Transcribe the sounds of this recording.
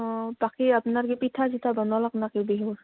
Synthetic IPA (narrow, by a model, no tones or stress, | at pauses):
bakiapnaɾkipit̪ʰazit̪ʰabɔnɔlaknakibeɦuɹ